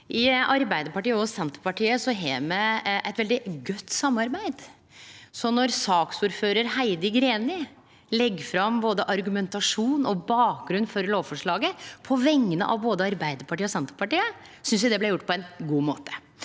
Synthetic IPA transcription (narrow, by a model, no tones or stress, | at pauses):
ʔɪʔɑɾbæɪd̪əɾpɑʈiːəɔsɛnt̪əɾpɑʈiːəsɔɦeːmɛʔɛɪt̪ʋɛld̪ɪɡœt̪ːsɑmːɑɾbæɪd̪ | sɔnːɔɾsɑːksuːɾføːɾəɾhæɪd̪əɡɾeːnɪ | lɛɡːfɾɑmboːd̪əʔɑɾɡʉmɛnt̪ɑʂuːnɔbɑːk̚ɡɾʉnːfɔɾloːʋfɔʂɭɑːɡəpʰɔʋɛŋːənə̰ʔɑ̰ʋboːd̪əɑɾbæɪd̪əɾpʰɑʈiːəɔsɛnt̪əpɑʈiːəsʏnsjæɪd̪ɛblɛjʊʈːpɔɛnɡuːmoːt̪ʰə̥